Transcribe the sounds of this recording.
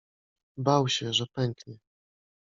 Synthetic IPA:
bawɕɛʐɛpɛŋkɲɛ

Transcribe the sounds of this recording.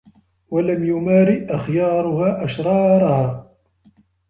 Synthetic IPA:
walamjʊmaːɾɪʔaxjɑːɾˤʊhaːʔaʃɾˤɑːɾˤɑhaː

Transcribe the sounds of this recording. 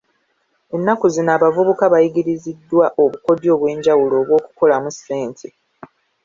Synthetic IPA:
e̞nːakuzinaːβavuβukaβajiɡiɾizidːwaʔo̞βuko̞djo̞ːβwe̞ːɲɟawulo̞ːβwo̞ːku̥ko̞lamuse̞ːntʰi

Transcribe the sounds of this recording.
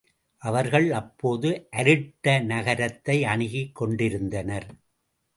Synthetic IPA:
ʔɐʋɐɾɣɐɭɐpːoːðɯʔɐɾɯʈːɐnɐɣɐɾɐt̪ːɐɪɐɳɪɣɪkːɔɳɖɪɾɯnd̪ɐnɐɾ

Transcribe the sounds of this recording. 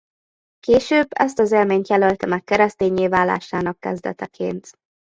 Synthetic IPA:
keːʃøːbːɛ̰st̪ɒzeːlmeːɲt̪jɛlølt̪ɛmɛkːɛɾɛst̪eːɲːeːvaːla̰ːʃaːnɒkːɛ̰zd̪ɛ̰t̪ɛkʰḛːnt̪

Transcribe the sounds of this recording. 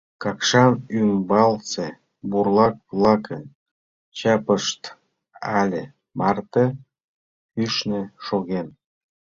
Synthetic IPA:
kɑkʃɑnymbɑlt͡se | burlɑk̚βlˠɑkʰən | t͡ɕɑpəʃt̪ | ɑlʲe | mɑrt̪e | kyʃneʃoɣen

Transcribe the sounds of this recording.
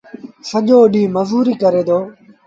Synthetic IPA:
səʄoːɗĩːməzuːɾiːkəɾeːd̪oː

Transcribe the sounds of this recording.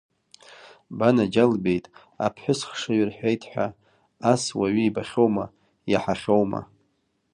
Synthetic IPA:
banad͡ʒalbe̞jtʼ | a̰pʰħʷᶣʊsχʂaɥrħʷᶣejtʰħʷᶣa̰ | aswaɥiːbaχʲo̞wma | jaħaχʲo̞wma̰

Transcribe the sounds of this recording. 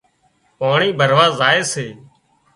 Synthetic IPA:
paːɳiːbʱəɾʋaːzaːeːseː

